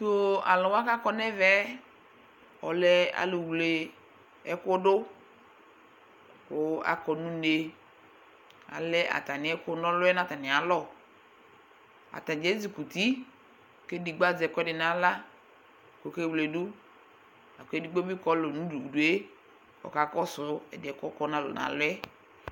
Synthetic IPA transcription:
to˨a̰˨lɔ˨wa˦ka˦kɔ˦nɛ˦vɛ˦ | ɔ̰˨lɛ˦a̰˨lʊ˨wle˨ | ɛ˦ko˦ɖʊ˦ | kʊ˨˦a̰˨kɔ˨nũ˦ne˨ | a̰˨lɛ˦ʔa̰˨ta˨nɪ˨˦ɛ˦kʊ˦nɔ˦lʊ˦ɛ˦nã˦t̪a˨nɪ˨a˨lɔ˦ | a̰˨t̪a˨d͡ʒe˨˦zi˨ku˨t̪i˦˨ | ke˦di˨ɡ͡ba˦d͡zɛ˨kɛ˦dɪ˨nã˦la˦˨ | ko˨ke˦wle˨du˦ | na˨ke˦di˦ɡ͡bo˦bi˦kɔ˦lo˨nũ˦du˨du˨e˦ | ɔ̰˨ka˨kɔ˦sʊ˨˦ɛ̰˨dɪ˨ɛ˨kɔ˦kɔ˦nã˦lɔ̰˨nã̰˨lʊ˦ɛ˦

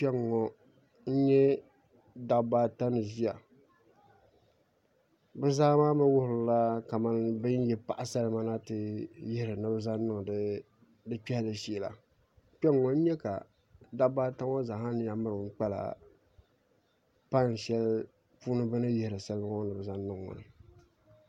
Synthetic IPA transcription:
pɛ˦ŋɔ˨ | n̩˦ɲɛ˦ | da˦baː˦ta˦nɨ˨zi˦ja˨ | bɨ˦zaː˦maː˦ma˦wʊ˦hɾɨ˨la˦ka˨ma˦nbɨ˦n˦jɛ˦pa˨ʔa˨sa˦lɨ˦ma˦na˦tɨ˨jɪ˦hɾɨ˨nɨ˦bɨ˦za˦nɨ˦ŋ˨d | dɨ˦k͡pɛ˦hlɨ˨ʃi˦˨la̰˨ | k͡pɛ˦ŋŋɔ˨n˦ɲɛ˦ka̰˨ | da˦bbaː˦ta˦ɔ˦za˨ha˦nɨ˦ja˦mɨ˦ɾɨ˨˦k͡pɛ˦la̰˨ | pa˦n˨ʃɛ˦l | puː˦nɨ˦bɨ˦nɨ˦jɪ˦hɪ˨ɾɨ˨sa˦lba˦ŋɔ˦nɨ˨bɨ˨za˦n˦nɨ˦˨ŋ˨ŋɔ̰˨nɨ˨

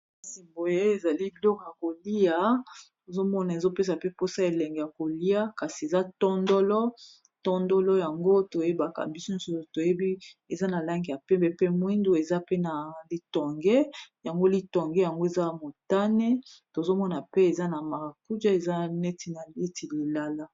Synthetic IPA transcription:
si˨mbo˨e˦e˨za˨li˦bi˦lɔ˦kɔ˨ja˨ko˨li˦a˨to˨zo˦mɔ˦na˨e˨zo˦pe˦s̬a˨pe˦po˦sa˦e˨lɛ˨ŋɡe˨ja˨ko˨li˦a˦ka˨si˨e˨za˦tɔ˦ndɔ˦lɔ˦ | tɔ˦ndɔ˦lɔ˦ja˨ŋɡo˦to˨je˦ba˨ka̰˨bi˦so˦no˦so˦o˨to˨je˦bi˦e˨za˦na˨la˦ŋɡi˨ja˨pɛ˦mbɛ˨pe˦mwi˦ndu˦e˨za˦pe˦na˨li˦tɔ˨ŋɡe˦ja˨ŋɡo˦li˦tɔ˨ŋɡɛ˦ja˨ŋɡo˦e˨za˦mo˨ta˦nɛ˦to˨zo˦mɔ˦na˨pe˦e˨za˦na˨ma˨ʁa˨ku˦d͡ʒa˦e˨za˦ne˦ti˨na˨le˦ti˨li˨la˦la˦

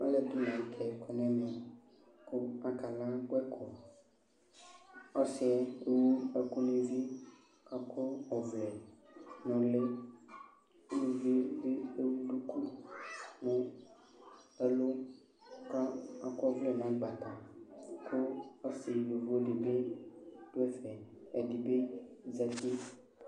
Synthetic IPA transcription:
ɔ˦le˨du˦nã˨˦kʰɛ˨kɔ˨nɛ̃˦mɛ̃˨ | kʊ˦a˨ka˨lã˦kɛ˦kʰɔ˨ | ɔ˦sɪ˨˦ɛ˦e˦wu˦e˨ku˦nĩ˦vi˦ | ka˦ko˦ɔ˨vlɛ˨nɔ̃˨le˦ | lu˦vi˦de˦e˦wu˦ɖu˦ku˦ | nũ˨ | e˦lo˦ | ka˦a˨ko˦ɔ˦vlɛ˨nã˨˦ɡ͡ba˨t̪ã˨kʰo˦ɔ˦si˨vo˨vo˦le˨be˦d̥o˦ɛ˦fɛ˨ɛ˨di˨be˦za˦t̪i˦

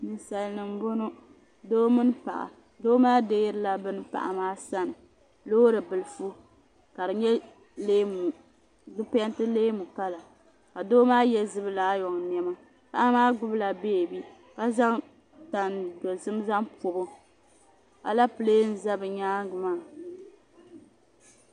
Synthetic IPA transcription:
nɨ˨sa˨lnɨ˨m˨bo˦nʊ˦ | doː˦mɨ˦n˦pa̰˨ʔa̰˨ | doː˦maː˦de˦ɾɨ˦la˨bɨ˦n˦pa̰˨ʔa̰˨maː˦sa˦nɨ˨ | loː˦ɾɨ˨bɨ˨lɨ˨fu˦ | ka˨dɨ˨ɲɛ˦ | leː˦mu˨ | zɨ˦pɛ˦ntɨ˦leː˦mu˨ka˦la˨ | ka˨doː˦maː˦jɛ˦zɨ˦bɨ˦laː˨˦jɔ˨ŋn˨ɛ˦ma˦ | pa˨ʔa˦maː˦ɡʊ˦bla˨beː˦˨bi˦ | ka˦za˦ŋ | ta˨ndo˨zɨ˦m˦za˦ŋpʊ˨bʊ˦ | a̰˦la˦pɨ˨leː˦n̩˦za˦bɨ˨ɲaː˦ɡɨ˨maː˦˨

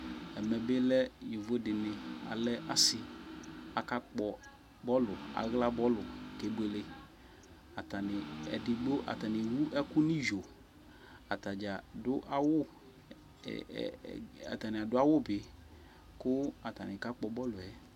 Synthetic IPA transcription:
ɛ˨mɛ˨bɪ˦lɛ˦ji˨vo˦dɪ˨nɪ˨a̰˨lɛ˦ʔa˦sɪ˨a˨ka˦k͡pɔ˨ | bɔ˦lʊ˨a̰˨ɣla˦bɔ˦lʊ˨ke˨ɡ͡be˨lɪ˨ | a˨ta˨nɪ˨ɛ̰˨dɪ˨ɡ͡bo˦ʔa̰˨ta˨nɪ˨wu˦ʔɛ˦kʊ˦nɪ̃˦ʒo˨ | a˨ta˨d͡ʒa˨dʊ˦ʔa˦wʊ̰˦˨ | a̰˨ta˨nɪ˨a˨dʊ˦a˦wʊ˦bɪ˨ | kʊ˦a˨ta˨nɪ˨ka˦k͡pɔ˨bɔ˦lʊ˨ɛ˦

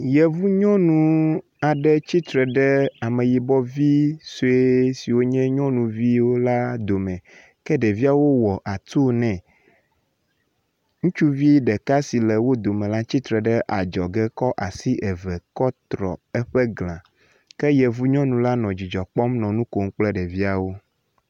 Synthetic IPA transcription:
jɛ˨vu˦ɲɔ̃˦nũ˨ | a˨ɖɛ˦t͡ɕi˦t̪ɾɛ˨ɖɛ˦a˨mɛ̃˨ji˨bɔ˦vi˦so˦e˦si˨wo˦ɲɛ̃˦ɲɔ̃˦nũ˨vi˦wo˦la˦d̪o˨mɛ̃˨ | kɛ˦ɖɛ˨vi˦a˨wo˦wɔ˨ʔa˨t̪o˦nɛ̃˨ | ŋũ˦t͡ʃu˦vi˦ɖɛ˨ka˦si˨lɛ˨wo˦d̪o˨mɛ̃˨la˦t͡ɕi˦t̪ɾɛ˨ɖɛ˦ʔa˨d͡ʒɔ˨ɡɛ˦kɔ˦ʔa˨si˦ʔɛ˨vɛ˨kɔ˦t̪ɾɔ̰˨ɛ˦ɸɛ˦ɡlã˨ | kɛ˦jɛ˨vu˦ɲɔ̃˦nũ˨˦la˦nɔ̃˨d͡ʑi˨d͡ʒɔ˨k͡pɔ˦mnɔ̃˨nũ˦ko˨ŋ˦k͡plɛ˦ɖɛ˨vi˦a˨wo˦

